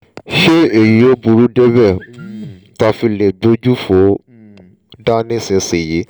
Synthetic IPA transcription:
ʃe˦e˨ji˨˦o˦bu˧ɾu˦dɛ˦bɛ˦˨˦ | ta˧fi˧le˨bo˦d͡ʒu˦fo˨˦ | da˦nĩ˦˨sĩ˧se˨je˨˦

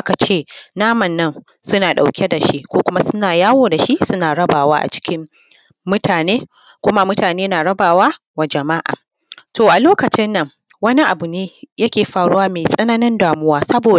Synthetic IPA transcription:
ʔa˦ka˨t͡ʃeː˦˨naː˦mɐ˨nːɐ˦n | sʊ˦naː˨ɗa̰˨wkʲe˦da˨ʃi˦ʔkʷoː˦kʷʊ˦ma˦sʊ˦naː˨jaː˦woː˦da˨ʃi˦ʔsʊ˦naː˨ɽɐ˦baː˨waː˦ʔa̰˨t͡ʃɪ̥˦kʲɪ˦m | mʊ˦tʰaː˨neː˦ | kʷʊ˦ma˦mʊ˦taː˨neː˦naː˨ɽɐ˦baː˨waː˦ | wa˨d͡ʒɐ˨ma˦ʔa̰ː˨ | toː˨ʔa˨loː˦kɐ˨t͡ʃɪ˦nːɐ˨ŋ | wɐ˦ni˦ʔa˨bu˨neː˦jɐ˦kʲeː˨ɸaː˨ɽʊ˦waː˦meː˨sʼɐ˦naː˦nɪ˦ndaː˨mʊ˦waː˦sɐ˦boː˨

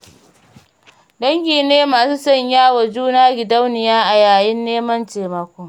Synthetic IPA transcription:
dɐ˦ŋɡʲiː˨neː˦maː˨suː˦sɐ˦ɲjaː˦wɐ˨d͡ʒuː˦naː˦ɡʲɪ˨dɐ˦wnɪ˨jaː˦ʔa˨jaː˨jɪ˦nːeː˦mɐ˦nt͡ʃeː˨mɐ˦kʷoː˦

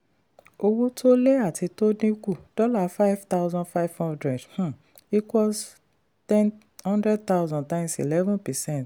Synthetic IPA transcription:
o˧wo˦tʰo˦le˦a˦˨tʰi˧to˦dĩ˦ku˦˨d̥ɔ˦la˨fa˦jvta˦wzɔ̃˦nfa˦jvhɔ̃˦ndɾɛ˨dh̩˦˨ | i˨twɔ˨s | tɛ̃˦n | hɔ̃˦ndɾɛ˦d̚ta˦wzɔ̃˨ntã˦ɪ̃msḭ˨lɛ˦vɔ̃˦npɛ˨sɛ̃˦˨nt

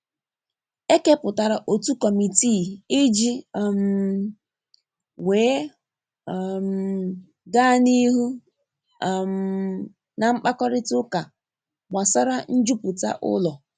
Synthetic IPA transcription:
e˦ke˦pʊ˨ta˨ɾa˨ʔo˨tu˦kɔ˨mi˨ti˦˨ɪ˦d͡ʒi˦˨m˨ | weː˨˦˨ | m˨ | ɡa˦˨ni˦ɦu˦˨ | m̩ | na˨ŋ͡m̩˦k͡pa˦kɔ˦ɾɪ˦tʊ˦ka˨ | ɡ͡ba˨sa˦ɾa˦n̩˦d͡ʒu˦pʊ˨ta̰˦ʔʊ̰˦lɔ˨

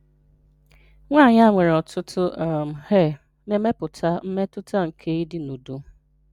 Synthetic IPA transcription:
ŋʷa˦˨ɲa˦˨ŋʷe˨ɾe˨ɔ˨tʰʊ˦tʰʊ˦˨m̩˨he˦˨ | ne˨˦me˦pʊ˨tʰa˦m̩˦me˦tʊ˦ta˦ŋ̩˨kʰe˦i˦dɪ˨nu˨du˦

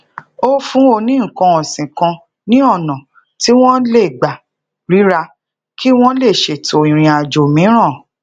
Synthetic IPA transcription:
o˦fũ˦o˧nĩ˦˨kã˧ɔ̃˨sĩ˨kã˧ | nĩ˦ɔ˦˨nã˨ | ti˦w̃ɔ̃˦le˦˨ɡ͡ba˨ | ɾi˨˦ɾa˧ | ki˦w̃ɔ̃˦le˦˨ʃe˨to˨ĩ˨ɾ̃ĩ˨˧a˨d͡ʒo˨mĩ˨˦ɾ̃ã˦˨

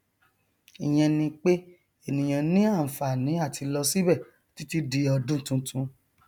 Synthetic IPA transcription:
i˨j̃ɛ̃˧nĩ˧k͡pe˦ | e˦˨nĩ˨j̃ã˨nĩ˦a˦˨fa˨nĩ˨˦a˦˨tʰi˧lɔ˧si˦bɛ˦˨ | ti˦ti˦di˧ɔ˧dũ˦tũ˧tũ˧

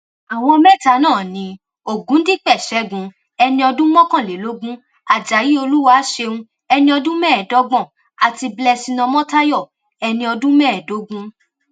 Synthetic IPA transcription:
a˨w̃ɔ̃˧mɛ˦˨ta˧˦nãː˦˨nĩ˨˦ | o˨ɡũ˨˦n̩˦di˦k͡pɛ˦˨ʃɛ˨˦ɡũ˧˦ | ɛ˧nĩ˧ɔ˧dũ˦mɔ̃˦kã˦˨le˨lo˨˦ɡũ˦ | a˨d͡ʒa˨ji˨˦o˧lu˦wa˧˨˦ʃe˧ũ˧ | ɛ˧nĩ˧ɔ˧dũ˦mɛː˦˨dɔ˨˦ɡ͡bɔ̃˦˨ | a˨ti˧blɛ˧sĩ˧nɔ̃˧mɔ̃˦ta˦jɔ˦˨ | ɛ˧nĩ˧ɔ˧dũ˦mɛː˦˨do˨˦ɡũ˦

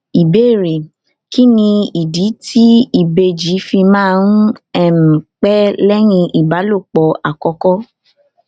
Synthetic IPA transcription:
i˨be˦˨ɾe˨ | ki˦nĩ˧i˨di˨˦tʰi˦i˦˨be˧d͡ʒi˨˦fi˧mãː˦˧n̩˦ɛ˦˨mĩ˨k͡pɛ˦lɛ˦ñĩ˧ʔi˨ba˨˦lo˦˨k͡pɔ˨a˨kɔ˧kɔ˦

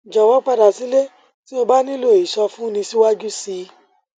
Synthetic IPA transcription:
d͡ʒɔ˨wɔ˨˦k͡pa˦˨ɾa˨si˨˦le˦ | ti˦o˧ba˦nĩ˦lo˦˨i˨ʃɔ˧fũ˦nĩ˧si˦wa˦d͡ʒu˦si˧˦

